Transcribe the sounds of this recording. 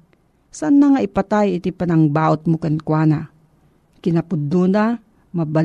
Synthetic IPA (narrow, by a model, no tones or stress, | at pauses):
sanːaŋaʔɪpat̪ajɪt̪ipɐnɐŋbaːʔʊt̪̚mokɐnkwaːna | kɪnɐpʊd̪una | mɐbɐ